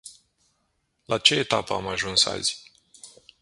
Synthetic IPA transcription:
lat͡ʃe̞et̪apəamaʒunsa̰z̥ʲ

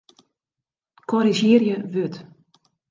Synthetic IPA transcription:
kʰɔɾiʒɪərjəʋøt

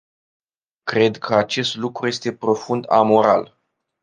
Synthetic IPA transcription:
kɾe̞d̪kʰəat͡ʃe̞st̪lukɾuje̞st̪e̞pɾo̞fund̪a̰mo̞ɾa̰l

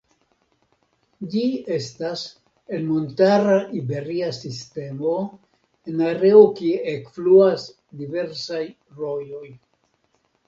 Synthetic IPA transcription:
d͡ʒie̞stas | e̞lmo̞ntaɾaʔibe̞ɾiasiste̞mo̞ | enaɾe̞okieekfluas | dive̞ɾsaj | ɾo̞jo̞j

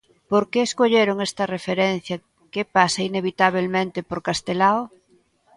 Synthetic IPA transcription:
poɾkeːskoʎeɾoŋest̪ɐrefeɾenθjɐ | kepasɐineβit̪aβ̞elmẽnt̪ɪpoɾkast̪elao

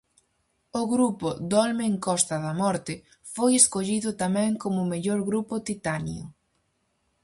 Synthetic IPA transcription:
oɣɾupʊd̪ɔlmeːŋkɔst̪ɐðɐmɔɾt̪ɪ | fojeskoʎiðʊt̪amɛ̃ŋkomʊmeʎoɾɣɾupʊt̪it̪anḭo

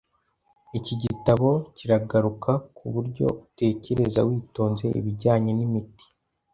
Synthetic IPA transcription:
iciɟitaβo̞ciɾaɡaɾukʰakʰuβuɾɟo̞̰ute̞ːce̞ɾe̞za̰wiːto̞ːnze̞ʔḭβiɟaːɲe̞nimiti̥

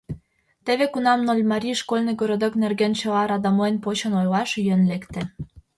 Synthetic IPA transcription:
t̪eβekunɑmnolʲmɑɾʲiʃkolʲnɤ̆ɡoɾod̪oknerɡent͡ɕɤ̆lɑɾɑd̪ɑmoenpot͡ɕɤ̆nojlɑʃjø̆nlekt̪ĕ

